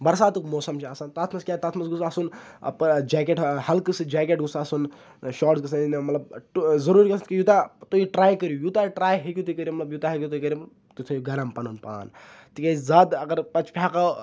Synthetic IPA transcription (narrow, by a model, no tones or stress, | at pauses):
bɐɾsaːt̪ukmoːsɐmt͡ʃʰiasaːnt̪aːt̪ʰmɐskʲjaːt̪aːt̪ʰmɐsɡusasunɐ̰pd͡ʒaːk̬eʈhɐlkɨsɨd͡ʒaːkʲeʈɡusasun | ʃaːʈzɡɐsɐninmɐt̪lɐb̚ʈzɐɾuːɾikɐst̪kijut̪at̪oːiʈɾaːjkɐɾjujut̪aʈɾaːjɦekʲut̪ikɐɾʲjimɐt̪lɐbjut̪aːɦekʲut̪uikɐɾʲim | t̪it̪ʰɐjuɡɐɾɐmpɐnunpa̰ːnt̪ikeizaːd̪ɐɡɐɾpɐt͡ʃpʰʲaːka